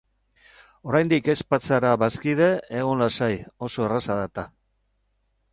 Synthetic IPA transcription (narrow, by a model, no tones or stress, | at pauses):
o̞ɾajnd̪ike̞spat͡saɾaβaskiðe̞eɣ̞onlasajo̞so̞erasaðat̪a